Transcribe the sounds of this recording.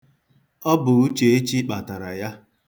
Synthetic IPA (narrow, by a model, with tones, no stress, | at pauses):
ɔ˦bʊ˨u˦t͡ʃe˨e˦t͡ʃi˦k͡pa˨ta˨ɾa˨ja˦